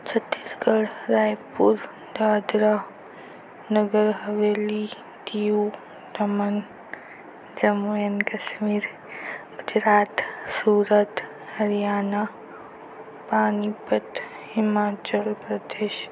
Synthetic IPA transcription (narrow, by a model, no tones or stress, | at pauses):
t͡ʃʰɐt̪it̪kəɽɾaːjpuɾ | d̪aːd̪ɾa | nəɡəɾɦɐʋeːli | d̪iu | d̪ɐmən | d͡ʒɐmojənkɐʃmiːɾ | ɡʊd͡ʒɾaːt̪suːɾət̪ | hɐɾjaːna | paːnipət̪ | hɪmaːt͡ʃəlpɾɐd̪eːʃ